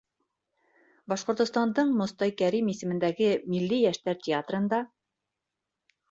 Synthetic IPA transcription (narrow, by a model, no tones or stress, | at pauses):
bɑʃqŏɾt̪ŏst̪ɑnd̪ɤɴmŏst̪ɑjkæɾimisɘ̆mɘ̆nd̪æɡɘmilːijæʃt̪æɾtʲɪat̪rɤ̆nd̪ɑ